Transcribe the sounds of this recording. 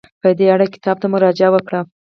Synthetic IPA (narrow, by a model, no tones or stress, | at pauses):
pəd̪eaɽakɪ̥t̪ɑb̚t̪amʊɾɑd͡ʒɪawəkɽa